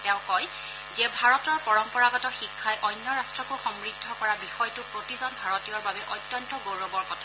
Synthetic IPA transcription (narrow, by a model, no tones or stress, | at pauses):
tɛʊ̃kɔj | zɛbʱaɹɔtɔɹpɔɹɔmpɔɹaɡɔtɔxikʰːajʔɔjnjɔɹastɹɔkuxɔmɹidʱːɔkɔɹabixɔjtʊpɹotizɔnbʱaɹɔtijɔɹbabɛʔɔjtjɔntɔɡoɹɔbɔɹkɔtʰa